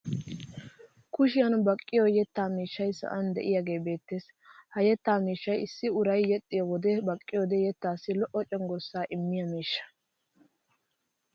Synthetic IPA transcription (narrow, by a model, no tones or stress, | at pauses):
kʊʃɪjɐnbɐkʼːɪjɔjɛt̪ːaːmiːʃːɐjsɐ̰ʔɐnd̪ɛ̰ʔɪjaɡe̞ːbe̞ːt̪ːeːs | hɐjɛt̪ːaːmiːʃːɐjɪsːɪʊɾɐjːɛt̪ʼːɪjɔwɔd̪ɛbɐkʼːɪjɔd̪ɛjɛt̪ːaːsːɪlɔʔːɔt͡ʃʼɛŋɡɔsːaːʔɪmːɪjɐmiːʃːɐ̥